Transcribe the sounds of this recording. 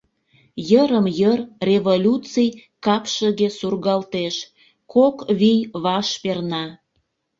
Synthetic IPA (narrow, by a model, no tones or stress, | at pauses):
jəɾəmjərrʲeβolʲut͡sijkɑpʃəɣesurɣɑlt̪eʃ | kokβijβɑʃpernɑ